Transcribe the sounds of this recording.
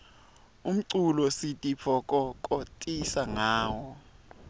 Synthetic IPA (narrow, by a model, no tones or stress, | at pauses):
um̩ǀulɔsitʼipʰɔkʼɔkʼɔtʼisaŋaːwɔ